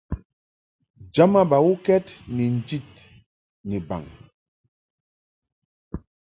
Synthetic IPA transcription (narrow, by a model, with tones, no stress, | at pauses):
d͡ʒa˦ma˦ba˨wu˦kɛ˦tni˨n˨d͡ʒi˦˨t̚ | ni˨ba̰˨ŋ